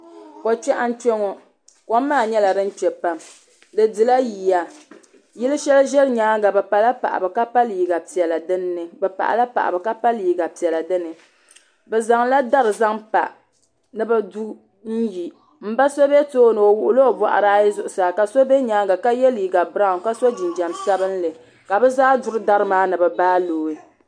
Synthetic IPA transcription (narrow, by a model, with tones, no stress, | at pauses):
ko˨t͡ʃɛ˦ʔa˦n̩˦t͡ʃɛ˦ŋɔ˨ | ko˦m˦maː˦˨ɲɛ˦la˨dɨ˦n̩˦t͡ʃɛ˨pa˦m | dɨ˨dɨ˨la˦ji˨ja˦ | ji˦lɨ˦ʃɛ˦lʒɛ˦lɲaː˨˦ɡa˨bɛ˨pa˨la˦pa̰˨ʔa̰˨bɨ˨ka˦pa˦liː˨ɡa˨pi˨ɛ˨la˨dɨ˦nː˦ɨ˨bɛ˨pa̰˨ʔa̰˨la˦pa̰˨ʔa̰˨bɨ˨ka˦pa˦liː˨ɡa˨pi˨ɛ˨la˨dɨ˦nɨ˨ | bɛ˨za˨ŋla˦da˦ɾɨ˨za˦ŋpa̰˨ | nɨ˨ba˦du˦ | n̩˦ji˨ | m̩˦ba˦so˦be˦toː˦nɨ˨o˨wʊ˨ʔʊ˨lo˦˨ba̰˨ʔa̰˨ɾaː˦ji˦zʊ˨ʔʊ˨saː˨ka˨so˦be˦ɲaː˦ŋɡa˨ka˦jɛ˦liː˨ɡa˨bɾa˦˨ka˦so˦d͡ʒi˨nd͡ʒa˨msa˦bɨ˦n˦lɨ˨ | ka˨bɛ˦zaː˦dʊ˦ɾɨ˦da˦ɾɨ˦maː˦nɨ˨bɨ˨baː˦loː˨ɪ˦